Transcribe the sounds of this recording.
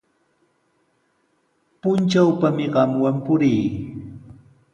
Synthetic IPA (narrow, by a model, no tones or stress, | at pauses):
pʊnt͡ʃawpamɪɢɑmwampʊɾiː